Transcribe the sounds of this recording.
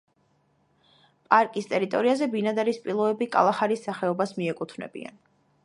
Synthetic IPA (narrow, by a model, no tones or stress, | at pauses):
pʼaɾkʼist̪ʼɛɾit̪ʼɔɾiazɛbinad̪aɾispʼilˠɔɛbikʼa̰lˠaχaɾisːaχɛɔbasmiɛkʼut̪ʰvnɛ̰bḭa̰n